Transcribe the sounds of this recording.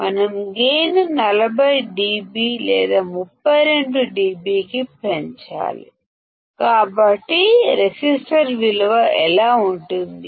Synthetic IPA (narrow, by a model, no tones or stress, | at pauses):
mɐnɐmɡeːnnɐlɐbʱɐjɖiːbiːlɛːd̪aːmupːɐjɾe̞ɳɖuɖiːbiːkipeɲt͡ʃa̰ːlḭ | kaːbɐʈːiɾesisʈɐɾʋilɐʋɐʔɛlaːuɳʈund̪i